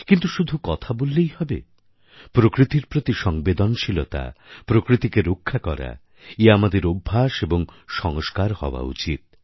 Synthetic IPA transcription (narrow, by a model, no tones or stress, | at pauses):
kint̪uʃud̪ʱukɔt̪ʰabolːejhɔbḛ | pɾokɾit̪iɾpɾot̪iʃɔŋbed̪onʃilot̪a̰pɾokɾit̪ikeɾokʰːakɔ̰ɾa̰ | eamad̪eɾobʱːaʃeboŋʃɔŋoskaɾhɔ̰oa̰ṵt͡ɕit̪̚